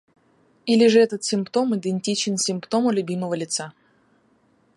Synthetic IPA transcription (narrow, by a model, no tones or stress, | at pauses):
ilʲɪʐɨɛt̪ət̪sʲɪmpt̪o̞mɨd̪ɨnʲtʲit͡ɕɪnsʲɪmpt̪o̞məlʲʊbʲiməvəlʲɪt̪sa